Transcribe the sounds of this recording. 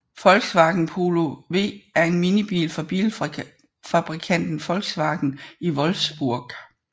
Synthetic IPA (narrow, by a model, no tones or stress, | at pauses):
fɒ̽lɡ̥sʋɑ̈ːɡ̥n̩pʰo̝lo̝ʋe̝̰ːæɐe̝nminib̥ḭːlfɒb̥ḭl | fɑb̥ʁikʰæn̰d̥n̩fɒ̽lɡ̥sʋɑ̈ːɡ̥n̩iʋɒ̽lfsb̥uɐ̰ɡ̥